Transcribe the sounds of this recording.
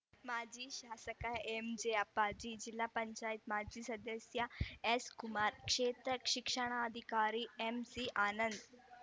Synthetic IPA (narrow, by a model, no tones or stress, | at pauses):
mad͡ʑʱiːɕasəkaemd͡ʑeapːad͡ʑiːd͡ʑilːapəɲt͡ɕajit̪mad͡ʑʱiːsəd̪əsjaeskumaɾkʂet̪ɾəkʂikʂəɽ̃aəd̪ʱikaɾiːemsiʔanənd̪